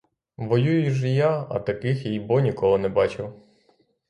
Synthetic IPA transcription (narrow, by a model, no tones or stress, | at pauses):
ʋɔjujʊʒɛjaɐ̰t̪ɐkɪxjijbɔnʲikɔɦɔnɛbɑt͡ʃɪw